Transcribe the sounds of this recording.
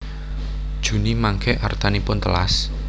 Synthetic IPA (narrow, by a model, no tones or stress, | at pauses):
d̥ʒ̥ṳnimaŋkɛʔart̪anipʊnt̪əla̰s